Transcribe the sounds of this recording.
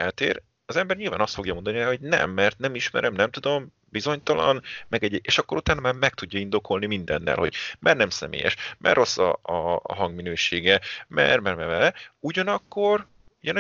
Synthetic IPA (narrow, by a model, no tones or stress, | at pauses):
ɛlt̪ḛːɾ | ɒzɛmbɛrɲilvaːnɒst̪fo̞ɡjɒmo̞nd̪ɒniɛɦo̞ɟnɛ̰mːɛrt̪nɛmiʃmɛ̰ɾʔɛmnɛmt̪ud̪o̞m | bizo̞ɲt̪ɒlɒ̰nmɛɡɛɟeːʃɒkːo̞ɾut̪aːnɒmaːmɛk̚t̪uɟːɒind̪o̞kʰo̞lnimind̪ɛ̰nːɛ̰lho̞̰ɟ̥mʔɛrnɛmsɛ̰mḛːjɛ̰ʃmʔɛ̰rːʔo̞sːɒ̰ɒ̰ɦɒŋɡminøːʃeːɡɛmɛ̰rmɛrmɛvɛuɟɒnɒkːo̞r | uɟɒn